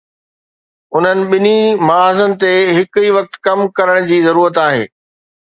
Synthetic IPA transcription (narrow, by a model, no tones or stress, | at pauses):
ʊn̤ənɪ̆ɓɪnimɐaːzənɪ̆t̪eɦɪkiʋɐk̚t̪kɐmkɐɾəɽ̃d͡ʑiːzɐɾuːɾət̪aːɦḛː